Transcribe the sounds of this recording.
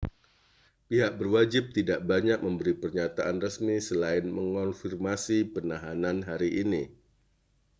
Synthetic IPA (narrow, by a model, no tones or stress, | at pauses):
piɦak̚bərwad͡ʒɪp̚t̪idaʔbaɲak̚məmbəɾipərɲat̪aʔanrəsmisəlaɪnməŋɔnfirmasipənaɦananɦaɾiʔini